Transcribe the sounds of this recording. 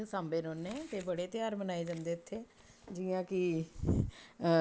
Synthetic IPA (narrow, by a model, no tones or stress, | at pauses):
sãːmbeːnoːnːẽːt̪eːbəɽeːt̪ɪjaːɾbənaːeːd͡ʒãnd̪eːət̪ʰːeː | d͡ʒiːãːkɪ